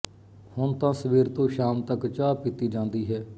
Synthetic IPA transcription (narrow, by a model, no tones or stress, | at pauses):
hʊnt̪ãːsəʋiːɾt̪õːʃaːmt̪əkt͡ʃaːpit̪iːd͡ʒãːnd̪iːɦɛː